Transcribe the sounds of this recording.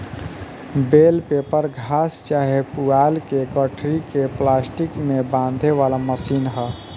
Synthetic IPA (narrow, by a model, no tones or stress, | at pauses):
belpepəɾɡʱast͡ʃaɦepualkeɡəʈʰɾikeplasʈikmebãnd̪ʱeʋalaməsiːnɦə